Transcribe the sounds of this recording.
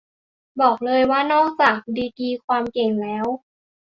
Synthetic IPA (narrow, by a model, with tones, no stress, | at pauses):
bɔː˨˩k̚lɤː˧jwaː˥˩nɔː˥˩ŋt͡ɕaː˨˩k̚diː˧tiː˧kʰwaː˧mke˨˩ŋlɛː˦˥w